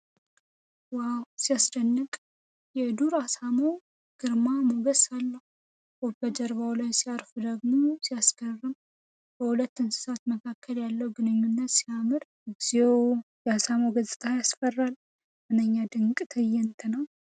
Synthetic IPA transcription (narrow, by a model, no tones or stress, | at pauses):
wawsijasd̪ənːɨkʼ | jɛd̪uɾasamo | ɡ̥ɨɾmamoɡəsalːəhu | wɔbəd͡ʒəɾbawlajsiaɾfud̪əɡmosijasɡərːɨm | b̥əhulət̪ːɨnsɨ̥sat̪məkʰakʰːəljalːəwuɡɨnɨɲːunːət̪siamɨɾ | ɨɡzew | jɛhasamoɡəzʼɨt̪ʼʰajasfərːal | mɨnəɲːad̪ɨŋkʼt̪ʰəjɛnt̪ʰənəw